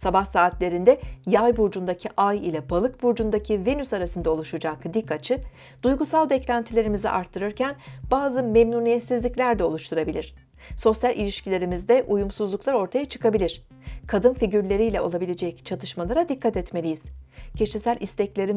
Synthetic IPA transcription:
sabahsaːt̪lʲe̞ɾind̪ɛjajbuɾd͡ʒund̪acʰiʔajḭlʲabalˠɯkbuɾd͡ʒund̪acʰivenysaɾasɯnd̪ao̞lˠuʃud͡ʒakd̪ikʰːat͡ʃʰɯ | d̪ujɡusalˠbɛclʲænt̪ʰilʲe̞ɾimizḭʔa̰ɾt̪ʰːɯɾɯɾcʰænbaːzɯmemnunijɛt̪sizlʲiclʲæɾd̪ɛo̞lˠuʃt̪ʰuɾabilʲiɾ̥ | so̞sjalʔilʲiʃcilʲe̞ɾimizd̪ɛʔujumsuzlˠuklˠaɾo̞ɾt̪ʰajat͡ʃʰɯ̥kʰabilʲiɾ̥ | kʰad̪ɯnfiɟyɾlʲe̞ɾijlʲɛo̞lˠabilʲed͡ʒɛct͡ʃʰat̪ʰɯʃmalˠaɾad̪ikʰːat̪ɛt̪me̞lʲijiz̥cʰeʃisælʲʔist̪ʰɛclʲe̞ɾi

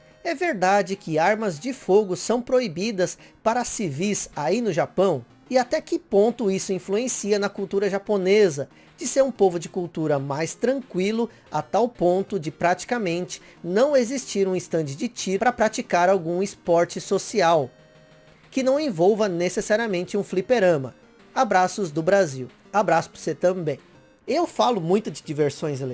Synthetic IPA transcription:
ɛveɾd̪ad͡ʒɪkɪaɾmɐzd͡ʒɪfoɡʊsɐ̃w̃pɾoibid̪ɐspaɾɐsivisainʊʒapɐ̃w̃ | ɪat̪ɛkɪpõnt̪ʊisʊĩfluẽsiɐnɐkuwt̪uɾɐʒaponezɐ | d͡ʒɪseɾũpovʊd͡ʒɪkuwt̪uɾɐmajst̪ɾɐ̃ŋkwilʊ | a̰t̪awpõnt̪ʊd͡ʒɪpɾat͡ʃi̥kɐmẽnt͡ʃɪ̥ | nɐ̃w̃ezist͡ʃiɾũĩst̪ɐ̃nt͡ʃɪd͡ʒɪt͡ʃipɾɐpɾat͡ʃikaɾawɡũɪspɔɾt͡ʃɪsosiaw | kɪnɐ̃w̃ẽvowvɐnesesaɾiɐmẽnt͡ʃɪũflipeɾɐ̃mɐ̰ | abɾasʊzd̪ʊbɾaziw | abɾasʊ̥pʊɾset̪ɐ̃bẽj̃ | ɪewfalʊmũj̃t̪ʊd͡ʒɪd͡ʒiveɾsõj̃zel

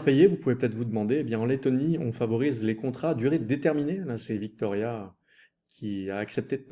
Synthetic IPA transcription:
pejevupuvepøt̪ɛt̪χvud̪əmɑ̃d̪eːbjɛ̃ɑ̃let̪ɔniɔ̃favɔʁizlekɔ̃t̪χad̪yʁed̪et̪ɛʁminelasɛvik̚t̪ɔʁja | kʲʰiaːksɛp̚t̪ed̪

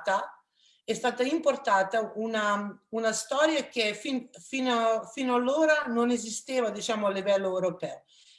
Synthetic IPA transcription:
t̪a | ɛst̪aːt̪aimport̪aːt̪aunaunast̪ɔːɾjak̟efinfinafinoalːoːɾanonezist̪eːvad̪it͡ʃaːmoalːivɛlːoewɾopɛːo

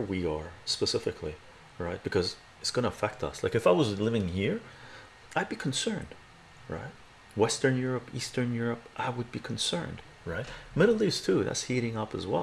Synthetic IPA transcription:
əwiə˞spəsɪfɨkʰli | ɹaɪt̚b̥ɨkʰʌz | ɨtsɡ̥ʌñəəfɛk̚tʰʌ̰slaɪkɨfaɪwʌzlɪvɪ̃ŋhiɹ | ʔaɪd̚bikʰn̩sɜ̃˞nd̥ | ɹa̰ɪt̚ | wɛstə̃˞njʊɹɨpistə̃˞njʊɹɨpʔaɪwəd̚bikʰn̩sɜ̰̃˞nd̥ | ɹaɪt̚mɪɾl̩ˠistʰuðæ̰tshiɾɪ̃ŋʌpə̰zwɛ̰

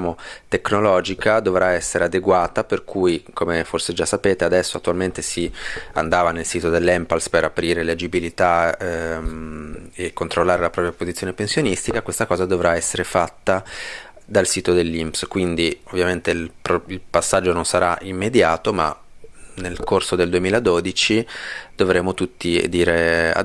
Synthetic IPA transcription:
amot̪ekːnolɔːd͡ʒikad̪ovɾaɛsːeɾead̪eɡwaːt̪aperkʰujkomeforsed͡ʒasːapeːt̪ead̪ɛsːoat̪ːualment̪esia̰nd̪aːvanelsiːt̪od̪elːɛmpalspeɾapɾiːɾeled͡ʒibilit̪a | ekːont̪ɾolːaːɾelapɾɔːpɾjapozit̪sjonepensjonist̪ikakwest̪akɔːzad̪ovɾaɛsːeɾefat̪ːa | d̪alsiːt̪od̪elːimpskwind̪iovːjament̪elpilpasːad͡ʒːononsaɾaʔimːed̪jaːt̪oma̰ | nelkorsod̪eld̪uemiːlad̪od̪it͡ʃid̪̥ovɾeːmot̪ut̪ːid̪iːɾea̰

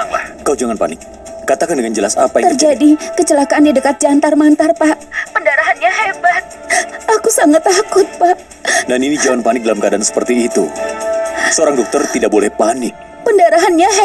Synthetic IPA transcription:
akad͡ʒaŋanpa̰nɪk̚ː | at̪akandəŋand͡ʒəlasa̰paj̪ərd͡ʒadikət͡ʃəlakaʔanjadəkat̪̚d͡ʒant̪armant̪arpaʔpəndaɾaɦanɲaɦebat̪̚ | akusaŋat̪ːakʊt̪̚paʔ | naninid͡ʒawanpanɪk̚dalamkadansə̥pərt̪iːt̪u | səoɾaŋdɔk̚t̪ɔrt̪idaʔ̚bolɛhpanɪk̚ | pəndaɾaɦanɲaɦɛ

